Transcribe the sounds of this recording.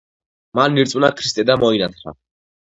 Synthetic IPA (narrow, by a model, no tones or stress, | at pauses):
manːiɾt̪sʼunakʰɾist̪ʼɛd̪amɔinat̪ʰχɾa̰